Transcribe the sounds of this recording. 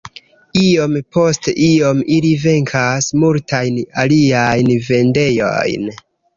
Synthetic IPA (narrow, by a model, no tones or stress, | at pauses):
io̞mpo̞steʔio̞milive̞ŋkʰasmultajnaliajnve̞nde̞jo̞̰jn